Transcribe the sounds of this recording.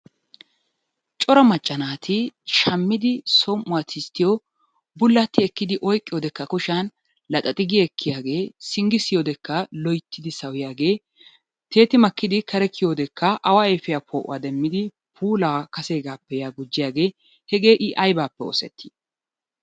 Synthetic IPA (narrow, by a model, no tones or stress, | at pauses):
t͡ʃʼɔɾɐmɐt͡ʃʼːɐnaːt̪ʰɪʃɐmːɪd̪ɪsɔmʔʊwaːt̪ʰɪst̪ːɪjɔ | bʊlːɐt̪ːɪɛkːɪd̪ɪʔɔjkʼːɪjoːd̪ɛkːɐkʊʃan | lɐt̪ʼɐt̪ʼɪɡɪjɛkʰːɪjaːɡe̞ːsɪŋɡɪsɪjoːd̪ɛkːɐlɔjt̪ːɪd̪ɪsɐwɪjaːɡe̞ː | t̪ʰe̞ːt̪ɪmɐkːɪd̪ɪkʰɐɾɛkʰːɪjoːd̪ɛkːɐʔɐwaɛfɪjaːpʰoːʔʊ̰waːd̪ɛmːɪd̪ɪ | pʰuːlaːkɐse̞ːɡaːpːɛjaːɡʊd͡ʒːɪjaːɡe̞ː | hɛɡe̞ːʔɪʔɐjbaːpːɛɔ̰sɛ̰t̪ʰːɪ̥